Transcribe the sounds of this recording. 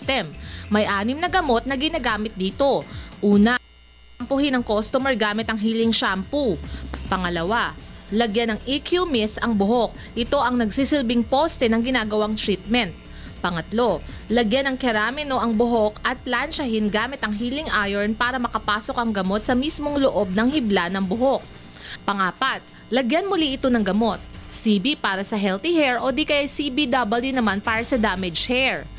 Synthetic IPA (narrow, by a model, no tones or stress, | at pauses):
t̪ɛmːɐjʔaːnɪmnɐɡɐmo̞t̪̚nɐɡɪnaɡaːmɪt̪̚d̪iːt̪o̞ʔuːnɐ | ɐmpʊhɪnɐŋkost̪omɛɹɡaːmɪt̪ɐŋɦiːlɪŋʃampupɐŋɐlɐwalɐɡjanɐŋʔikjumɛsɐŋbʊɦo̞k̚ʔɪt̪o̞ʔɐŋnɐɡsisɪlbɪŋpost̪ɛnɐŋɡɪnaːɡɐwaŋt̪ɾit̪̚mɛnt̪̚ | pɐŋɐt̪lo̞ | lɐɡjanɐŋkɛɾaːmɪno̞ʔɐŋbʊɦo̞kɐt̪̚planʃɐhɪnɡaːmɪt̪ɐŋɦiːlɪŋʔajɛɹnpaːɾɐmɐkɐpaːso̞k̚ɐŋɡɐmot̪sɐmismo̞ŋloʔo̞b̚nɐŋhɪblanɐŋbʊɦok̚ | pɐŋaːpɐt̪̚ | lɐɡjanmʊliʔɪt̪o̞nɐŋɡɐmo̞t̪̚sibipaːɾɐsɐɦɛlt̪ihɛɹʔod̪ikɐʔɐjsibid̪ɐbɐljunɐmanpaːɾɐsɐd̪aːmɛd͡ʒhɛɹ